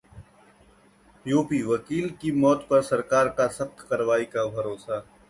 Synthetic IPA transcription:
juːpiʋɐkiːlkimɔːt̪pɐɾsɐɾkaːɾkasɐqt̪kɐɾʋaːikabʱɐɾoːsaː

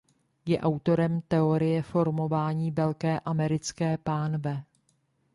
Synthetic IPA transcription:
jɛʔawt̪o̞ɾɛmt̪ɛo̞ɾɪjɛfo̞ɾmo̞vaːɲiːvɛlkɛːʔamɛɾɪt͡skɛːpaːnvɛ

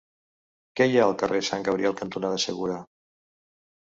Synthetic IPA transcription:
kɛjaəlˠkəresaŋɡəβɾiɛlˠkənt̪unaðəsəɣuɾə

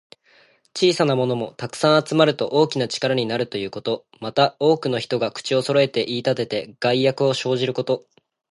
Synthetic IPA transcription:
t͡ɕiːsanamo̞no̞mo̞t̪akɯ̟̥sãɰ̃at͡sɨmaɾɯ̟t̪o̞ʔo̞ːkʲinat͡ɕi̥kaɾaɲ̟inaɾɯ̟t̪o̞jɯ̟ːko̞t̪o̞ | mat̪ao̞ːkɯ̟no̞çi̥t̪o̞ɡakɯ̥t͡ɕio̞so̞ɾo̞e̞t̪e̞ʔiːt̪at̪e̞t̪e̞ɡ̥aiːakɯ̟o̞ɕo̞ːʑiɾɯ̟ko̞t̪o̞

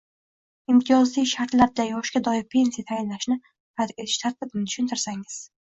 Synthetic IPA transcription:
ɪmt̪ʰɪjɒzlijʃaɾt̪laɾd̪ajɒʃkʲad̪ɒɪɾpʲʰe̞nsijat̪ʰajɪnlaʃnɪ | pat̪et̪ʰɪ̥ʃt̪ʰaɾt̪ʰɪbnɪt̪ʰʊ̥ʃʊnt̪ʰɪɾsaŋɪz̥

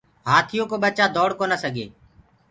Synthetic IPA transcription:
ɦaːt̪ʰɪjõːkoːɓət͡ʃaːd̪oːɽkoːnəsəɡḛː

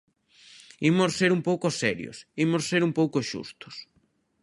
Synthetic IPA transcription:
imossːeɾumpowkʊsɛɾjo̰simosseɾumpowkoʃṵst̪ʊ̥s

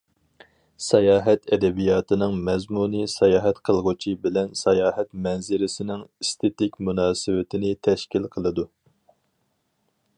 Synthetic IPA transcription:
sɛjɑːɦɛt̪ɛd̪ɛbijɑːt̪ʰɨnɨŋmɛzmunisɛjɑːɦɛt̪qʰəlˠʁʊt͡ʃʰibɪlɛnsɛjɑːɦɛt̪mɛnzɪɾɪsɪnɪŋist̪ʰet̪ɪkʲmunɑːsɪwɪt̪ʰɪnɪt̪ʰɛʃkʲilqʰəlˠɨd̪u

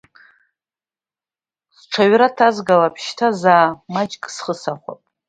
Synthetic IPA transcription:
sʈ͡ʂʰaɥɾatʰazɡalapʰʃtʰazaːmat͡ʃʼkʼsχəsaχʷa̰pʼ

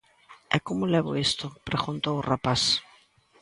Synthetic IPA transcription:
ɛkomʊlɛβʊ̰est̪ʊpɾeɣunt̪owrapas

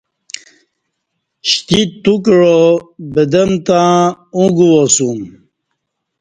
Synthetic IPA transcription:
ɕt̪it̪ukɻobəd̪əmt̪ãũɡuwosum

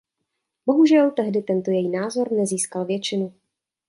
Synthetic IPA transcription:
bo̞ɦuʒɛlt̪ɛɦdɪt̪ɛnt̪o̞jɛjinaːzo̞ɾnɛziːskalvjɛt͡ʃɪnu

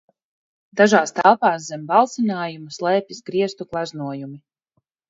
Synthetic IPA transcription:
d̪aʒaːst̪ælˠpaːszɛmbalˠt̪sinaːjumuslˠɛːpʲisɡɾiɛst̪uklˠaznuɔjumi

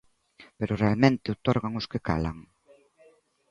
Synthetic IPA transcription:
peɾʊrealmẽnt̪ɪot̪oɾɣaŋʊskɪka̰la̰ŋ

